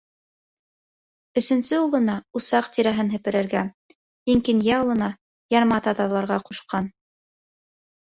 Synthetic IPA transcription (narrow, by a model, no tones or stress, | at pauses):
ɵ̆sɵ̆nsɵulˠɤ̆nɑusɑqt̪iɾæɦɘnɦɘ̆pɘ̆ɾɘ̆ɾɡæ | iŋkinjæulˠɤ̆nɑ | jɑɾmɑt̪ɑt̪ɑlˠɑɾʁɑquʃqɑn